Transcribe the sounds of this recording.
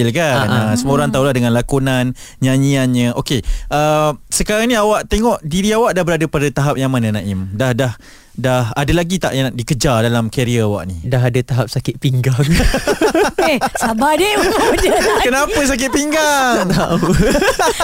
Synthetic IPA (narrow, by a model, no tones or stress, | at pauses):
lkanəsəmoɾaŋt̪aulaɦdəŋãnlakunanɲãɲianɲəʔokeʔəsəkaɾaŋniawaʔt̪eŋɔʔdiɾiawaʔdahbəɾadəpadat̪aɦap̚jaŋmananãʔɪmdahdah | daɦadalaɡit̪a̰ʔjaŋdikəd͡ʒadalamkaɾiaawa̰ʔnidaɦadat̪aɦap̚sakɪt̪̚piŋɡaŋ | esabadəmad͡ʒəkənapəs̬ak̬ɪt̪̚piŋɡaŋt̪au